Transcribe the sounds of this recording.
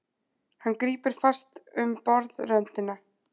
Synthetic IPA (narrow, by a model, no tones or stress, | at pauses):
hanːkɾiːpɪɾ̥fast̪ʏmpɔɾðrœnt̪ɪna